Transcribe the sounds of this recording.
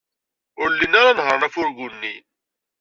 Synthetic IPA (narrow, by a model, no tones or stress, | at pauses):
ʊɾlinaɾanɦəɾnæfʊɾɡʊnːin